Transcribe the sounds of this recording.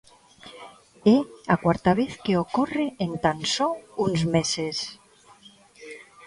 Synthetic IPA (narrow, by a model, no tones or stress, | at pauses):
eakwaɾt̪aβ̞eθkeokoreent̪ansɔunzmeses